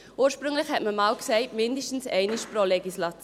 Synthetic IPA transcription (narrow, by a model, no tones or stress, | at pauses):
ʔuːəʃpʁʏŋlɪχhɛtməmaːlksɛɪtmɪndəʃtn̩sɛɪnɪʃpɾolɛɡislɑt